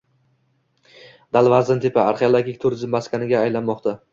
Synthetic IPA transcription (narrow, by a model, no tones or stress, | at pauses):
d̪̥alˠvazɪnt̪ʰɪpaaɾχeolˠaɡʲik̚ʲt̪ʰʊɾɪzɪmːaskʰʲanɪɡʲaːjlanmɒqt̪ʰa